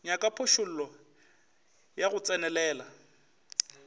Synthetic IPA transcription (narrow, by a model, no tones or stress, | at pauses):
ɲakʼapʰʊʃʊl̩ːlɔ | jaɣʊt͡sʼɛnɛlɛːla